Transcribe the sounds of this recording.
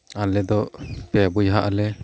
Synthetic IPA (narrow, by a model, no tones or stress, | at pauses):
alɛd̪ɔpɛabujɦaʔalɛ